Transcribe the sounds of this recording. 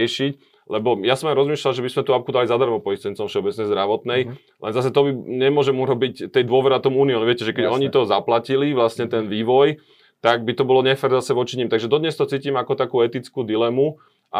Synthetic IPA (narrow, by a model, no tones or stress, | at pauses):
ɛʃic | lɛbɔjasɔmajɾɔzmiːʃlalʒɛbismɛt̪uap̚kud̪alizad̪aɾmɔpɔist̪ɛnt͡sɔmfʃɛɔbɛt͡snɛjzd̪ɾaʋɔt̪nɛj | lʔɛnzas̬ɛt̪ɔbiɲɛmʊɔʒɛmuɾɔbict̪ɛjd̪ʊɔʋɛɾɛat̪ɔmuːniɔmʋɪɛcɛʒɛkɛɟɔɲit̪ɔzaplaciliʋlasɲɛt̪ɛnʋiːʋɔj | t̪aɡbit̪ɔbɔlɔɲɛfɛɾzasɛʋɔt͡ʃiɲiːmt̪aɡʒɛd̪ɔd̪ɲɛst̪ɔt͡siːcimakɔt̪akuːɛt̪it͡skuːd̪ilɛmu | ʔa